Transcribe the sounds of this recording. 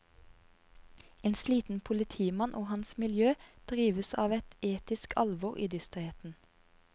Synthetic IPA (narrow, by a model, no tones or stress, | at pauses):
eːnsliːt̪n̩pʰʊlɪt̪ʰiːmɑnʔoːhɑnsmɪljøːd̪̥ʁiːʋəsɑːʋɛt̪eːt̪ɪskʰɑlʋɔʁʔḭːd̪ʏst̪ʁheːt̪n̩